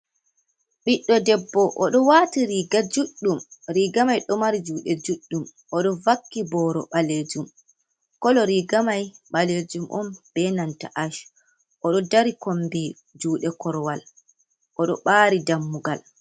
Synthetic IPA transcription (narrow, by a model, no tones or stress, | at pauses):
ɓiɗːɔdɛbːɔʔɔɗɔwaːtiɾiɡad͡ʒuɗːumɾiːɡamajɗɔmaɾid͡ʒuːɗɛd͡ʒuɗːum | ɔɗɔvakːibɔɾɔ̰ɓaled͡ʒum | kɔlɔɾiːɡamajɓaled͡ʒumʔɔmb̥ɛnantaʔaʃ | ʔɔɗɔdaɾikombi | d͡ʒuːɗɛkɔɾwal | ʔɔɗɔɓaːɾidamːuɡal